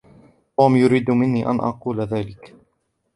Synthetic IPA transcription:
t̪uːmjʊɾiːd̪mɪnːiːʔa̰nʔɑ̰quːlaðaːlɪk

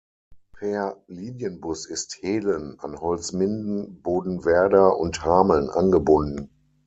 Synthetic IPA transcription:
pʰɛɐliːnjənbʊsɪstheːləna̰nhɔlt͡smɪndn̩boːdn̩vɛɐdɐʔʊ̰nthaːml̩nʔa̰nɡəbʊndn̩

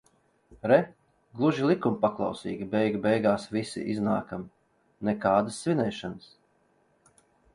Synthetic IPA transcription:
ɾɛ | ɡlˠuʒilˠikumpaklˠɑ̰wsiːɡʲibɛjɡbɛjɡaːsvisḭʔiznaːkam | nɛkaːd̪əsːvʲinɛjʃans

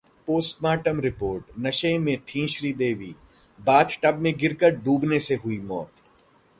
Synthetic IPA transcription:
poːsʈmaːʈəmɾɪpoːɾʈnɐʃẽmẽʈʰĩːʃɾiːd̪eːʋiː | baːt̪ʰʈɐbmẽɡɪɾkəɾɖuːbneseɦʊimɔːt̪

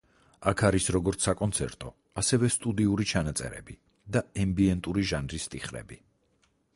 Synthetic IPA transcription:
akʰaɾisɾɔɡɔɾt̪sʰakʼɔnt̪sʰɛ̰ɾt̪ʼɔ | asɛvɛst̪ʼud̪iuɾit͡ʃʰanat̪sʼɛ̰ɾɛ̰bi | d̪aɛmbiɛnt̪ʼuɾiʒanɾist̪ʼiχɾɛ̰bi

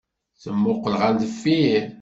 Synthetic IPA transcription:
θəmːʊqːlʁand̪əfːi

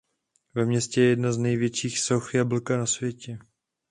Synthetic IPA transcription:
vɛmɲɛscɛjɛjɛdnaznɛjvjɛt͡ʃiːxsoxɪjabl̩kanasvjɛcɛ

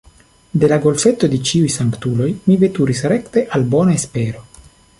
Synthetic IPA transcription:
d̪e̞laɡo̞lfe̞t̪o̞d̪et͡ʃiujsaŋkt̪ulo̞jmive̞t̪uɾisɾe̞kt̪e̞ʔalbo̞naespe̞ɾo̞

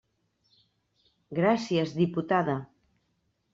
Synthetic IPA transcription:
ɡɾasjezðiput̪aða

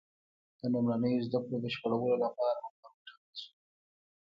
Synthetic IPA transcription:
d̪̥ənumɾanəjozd̪akɽod̪əʃpəɽawəlolapɑɾamʊmawʈa | su̥

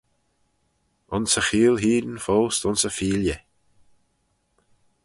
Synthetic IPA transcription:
ʊnsəxiːlˠɦiːdənfoːst̪ʊnsəfiːljə

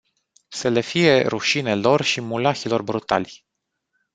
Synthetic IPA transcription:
sele̞fije̞ɾuʃine̞lo̞rʃimulaçilo̞rbɾut̪a̰lʲ

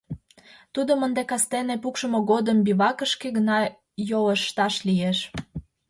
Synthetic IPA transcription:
t̪ud̪əmənd̪ekɑst̪enepukʃəmoɣod̪əmbiβɑkəʃkeɣənɑ | joləʃt̪ɑʃlijeʃ

